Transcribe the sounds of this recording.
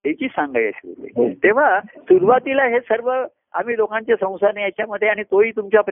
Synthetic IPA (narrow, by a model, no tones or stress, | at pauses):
t̪et͡ɕiːsãŋɡajə̰ɕiʋo̰lḭt̪eʋ̤asuɾuʋat̪ilaɦesəɾʋə | a̰m̤iːlokãɲt͡ɕjasə̃w̃sanejat͡ɕjaməd̪ʱjeaɽ̃it̪oɦiːt̪umt͡ɕap